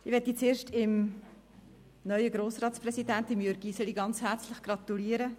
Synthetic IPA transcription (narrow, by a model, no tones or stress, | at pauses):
ɪʋɛtːit͡seːɾʃtɪm | nœʏəɡɾoːsrɑːtt͡sprɛsidæntɪmjøɾɡ̥isəliɡɑnt͡shæɾt͡slɪχɡ̥rɑt̪uliːəɾə